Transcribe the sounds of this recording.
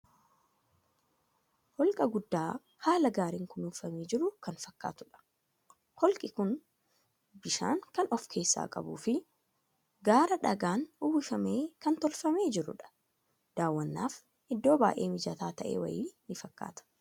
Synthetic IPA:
hɔlkʼɐɡʊd̪ːaː | haːlɐɡaːɾiŋkʊnʊfɐmiːd͡ʒɪɾʊkɐnfɐkːa̰ːt̪ʊᶑɐ̥ | hɔlkʼɪkʊn | bɪʃa̰ːŋkɐnʔɔfkʰe̞ːsːa̰ːkʼɐ̰bṵːfɪ | ɡaːɾɐᶑɐɡaːnʊbɪfɐmeːkɐnt̪ɔlfɐme̞ːd͡ʒɪɾʊ̰ᶑɐ̥ | d̪̥aːwːɐnːaːf | ʔɪd̪ːo̞ːba̰ːʔe̞̰ːmɪd͡ʒɐt̪aːt̪ɐʔe̞̰ːwɐ̰jḭːnːɪfɐkːa̰ːt̪ɐ̥

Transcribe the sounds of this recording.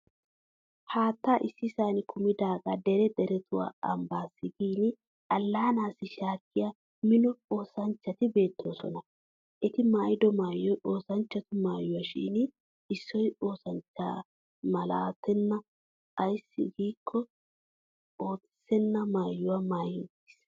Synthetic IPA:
haːt̪ːaʔɪsːɪsaːnɪkʰʊmɪd̪aːɡɐd̪ɛɾɛd̪ɛɾɛt̪ʊwa̰ːɐmbaːsːɪɡiːn | ʔɐlːaːnaːsɪʃaːkːɪja | mɪnʊo̞ːsɐnt͡ʃːɐt̪ɪbe̞ːt̪ːoːsɔ̰nɐ | ʔɛt̪ɪmaːjd̪ɔmaːjɔjʔoːsɐnt͡ʃːɐt̪ʊmaːjːʊwɐʃḭːn | ɪsːɔjo̞ːsɐnt͡ʃːa̰ː | mɐla̰ːt̪ɛnːɐ | ʔɐjsːɪ̰ɡiːkʰːɔ | o̞ːt͡sɪ̥sɛnːɐmaːjːʊwɐmaːjʊ | s

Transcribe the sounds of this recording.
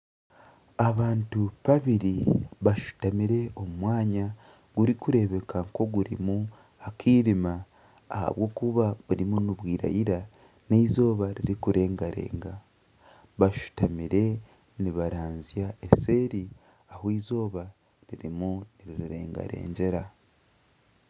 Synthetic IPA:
aβaːntuβaβiɾiβaʃu̥tamiɾe̞o̞mumwaːɲa | ɡ̥uɾikuɾe̞βe̞kʰaŋko̞ɡuɾḭmu | akʰiːɾimaː | ha̰βwo̞ːkuβaβuɾimunuβwiːɾa̰jiɾa | neizo̞ːβaɾiɾikuɾe̞ːŋɡaɾe̞̰ːŋɡa | βaʃu̥tamiɾe̞ | niβaɾaːnzjaese̞ːɾi | ahwiːzo̞ːβa | ɾiɾimuniɾiɾiɾe̞̰ːŋɡa̰ɾe̞̰ːɲɟe̞ɾa

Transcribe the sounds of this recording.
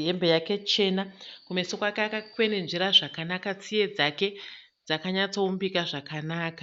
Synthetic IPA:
embe̞jake̞t͡ʃe̞nakumesokoakeakakwe̞ne̞nʐiɾaʐakanakat͡sije̞d͡zake̞ | d͡zakaɲat͡so̞umbikaʐakanaːkḁ

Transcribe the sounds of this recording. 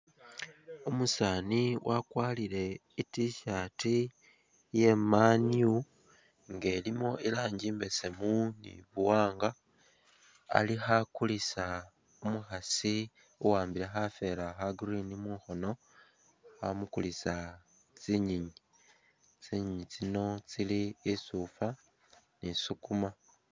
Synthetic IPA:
umusaːniwʔakwaːliɾe̞ | itiʃati | je̞maniu | ŋɡe̞ːlimo̞ʔilaːɲɟiːmbe̞se̞munḭβuwaːŋɡa | lixakulisa | umuxasi | uwaːmbilexafe̞laxaɡrinimuːxo̞no̞ | xa̰mukulisa | t͡siɲiɲi | t͡siɲiɲit͡sino̞t͡siliːsufa | nisukuma

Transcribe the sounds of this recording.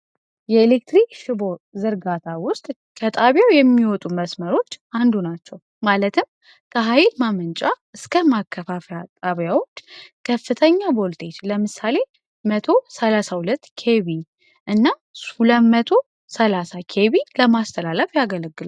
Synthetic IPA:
jɛelek̚t̪ɾikʃɨbo̞zɨɾɡat̪ʰawʊst̪ʼ | kʰət̪ʼaβjawjɛmːiwɔt̪ʼuməsməɾo̞t͡ʃːand̪unat͡ʃːɛw | malət̪ʰɨm | kʰəɦajlmamɨnt͡ʃʼa | ɨskʰəmakʰːəfafjat̪ʼaβjawo̞t͡ʃːkʰəfːɨt̪ʰəɲːabo̞lt̪ʰʼe̞t͡ʃləmɨsale̞ | mət̪ʰo̞səlasahulət̪ːkʰeβi | ʔɨnːa | suləmət̪ʰo̞ | səlasakʰe̞βiləmast̪ʰəlaləfjaɡələɡːɨla

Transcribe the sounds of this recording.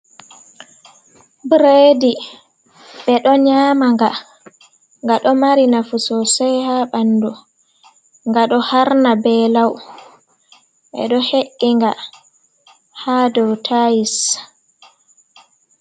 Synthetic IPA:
bɾedi | ɓɛɗɔɲaːmaŋɡa | ŋɡaɗɔmaɾinafusɔsɛjhaɓanːdɔ | ŋɡaɗɔhaɾnabɛlaw | ɓɛ̰ɗɔheʔːiŋɡa | haːdɔwtʰajis

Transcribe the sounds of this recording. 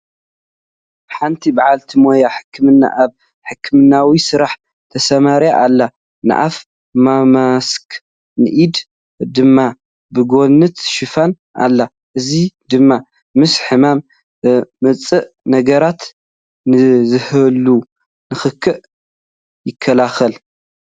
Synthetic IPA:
ħant̪ʰibaʕalt̪ʰimojaħɨ̥kʰːɨmɨnːa̰ʔaβ | ħɨkʰːɨmɨnːawisɨɾaħ | t̪ʰɐsɐmaɾjaʔalːa | nɨ̰ʔa̰f | mamask | nɨʔid̪ | d̪ɨmːa | bɨɡo̞nɨt̪ʃɨfan | ʔa̰lːa | ʔɨzid̪ɨmːa | mɨsħɨmamː | ɨt͡sʼɨʔ | nɐɡɐɾat̪ | nɨzɨhɨlːu | nɨxɨkʰːɨʔ | jɪkʰːɐlaxɐl

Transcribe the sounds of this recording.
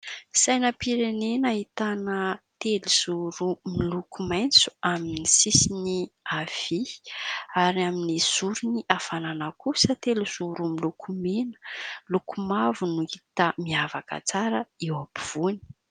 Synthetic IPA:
sajnəpiɾenenait̪anət̪eluz̥uɾumilukumajnt͡su̥aminisisiniav̥i | aɾiaminiz̥uɾuniʔafananakusət̪eluz̥uɾumilukʰumenə̥lukumavunuit̪əmiavakə̰t͡saɾəewabiv̥uni̥

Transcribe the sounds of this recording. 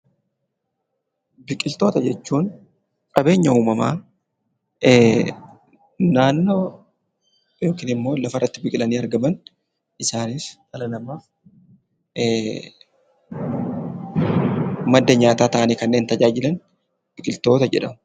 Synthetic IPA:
bɪkʼɪlt̪o̞ːt̪ɐd͡ʒɛt͡ʃːuːn | kʼɐbe̞ːɲːɐuːmɐma̰ː | naːnːo̞ː | jo̞ːkiːnɪmːo̞ːlɐfɐrːɐt̪ːɪbɪkʼɪlɐniːɐɾɡɐmɐn | ʔɪsaːniːft̪ʼɐlɐnɐmaːf | mɐd̪ːɐɲaːt̪aːt̪ɐʔɐniːkɐnːe̞ːnt̪ɐd͡ʒaːd͡ʒɪlɐn | b̥ɪkʼɪlt̪o̞ːt̪ɐd͡ʒɛ̰ᶑɐmʊ

